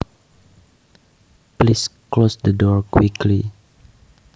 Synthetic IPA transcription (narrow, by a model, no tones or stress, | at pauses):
plisklosdədɔɹkwikʰli